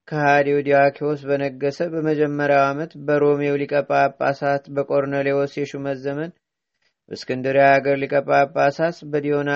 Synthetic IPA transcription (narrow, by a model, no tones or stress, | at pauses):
kʰəhad̪iwd̪iakʰios̬bənəɡːəsəbəməd͡ʒɛmːəɾjawamət̪bəɾo̞mewlikʼəpʼːapʼːasat̪bəkʼo̞ɾnəlewosjɛʃuməzːəmən | ɨ̰skʰɨnd̪ɨɾjaaɡəɾlikʼəpʼːapʼːasat̪bəd̪iona